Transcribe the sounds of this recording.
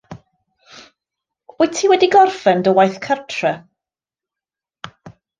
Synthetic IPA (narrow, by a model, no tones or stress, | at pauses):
ɔɨtʰiːwɛdiɡɔrfɛndɔwajθkʰərtʰrɛ